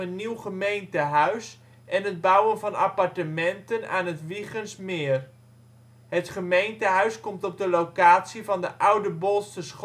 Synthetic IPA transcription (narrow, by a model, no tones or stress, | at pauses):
ənːiwχəmejntəɦœɥs | ʔɛnɦəd̚bʌwənvɑna̰pɑɹtəmɛntəna̰ːnɦətʋiχənsmɪːr | ɦətχəmejntəɦœɥskɔmtɔb̚dəlowkaːtsivɑndəʔʌwdəbɔlˠsəsχ